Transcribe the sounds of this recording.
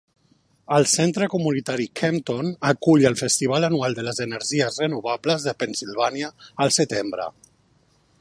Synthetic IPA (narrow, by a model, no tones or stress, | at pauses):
əlˠsent̪ɾəkumunit̪aɾikʰɛmt̪onəkuʎəlˠfəst̪iβ̞alənualˠd̪ələzənəɾʒiəzrənuβ̞abləzðəpənsilβaniəːlˠsət̪embɾə̰